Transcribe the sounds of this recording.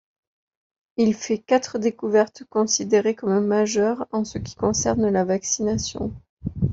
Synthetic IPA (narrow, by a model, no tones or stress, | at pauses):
ilfɛkat̪χəd̪ekuvɛʁt̪kɔ̃sid̪eʁekɔmmaʒœʁɑ̃səkʲi̥kɔ̃sɛʁnlavaksinasjɔ̰̃